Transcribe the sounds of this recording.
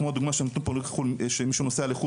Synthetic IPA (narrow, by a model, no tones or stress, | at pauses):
kmoad̪uɡmaʃenot̪unpolikχulʃemiʃunosealeχu